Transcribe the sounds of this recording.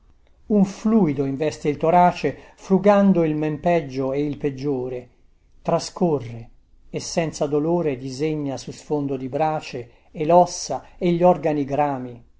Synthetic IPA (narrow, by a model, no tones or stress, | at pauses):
uɱfluːid̪oiɱvɛst̪eilt̪oɾaːt͡ʃefɾuɡand̪oilmempɛd͡ʒːoeilped͡ʒːoːɾe | t̪ɾaskorːeː | sːɛnt̪sad̪oloːɾed̪izeɲːasusfond̪od̪ibɾaːt͡ʃeː | lɔsːaeʎːɔrɡaniɡɾaːmi